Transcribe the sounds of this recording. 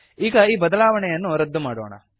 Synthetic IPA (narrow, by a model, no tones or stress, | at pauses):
iːɡɐiːbɐd̪ɐlaːʋɐɳɛjɐnːuɾɐd̪ːumaːɽoːɳɐ̰